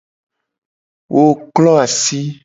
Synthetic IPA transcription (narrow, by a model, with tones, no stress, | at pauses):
wʔo˦klɔ˦a˨si˦